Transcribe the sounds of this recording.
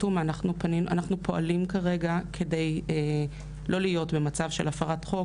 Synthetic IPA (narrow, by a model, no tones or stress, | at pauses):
tumanaχnupanimʔa̰naχnupʰo̞ʔalimkaʁe̞ɡakʰe̞de̞je | lʔo̞lijo̞tbe̞mat͡savʃelafaʁatχo̞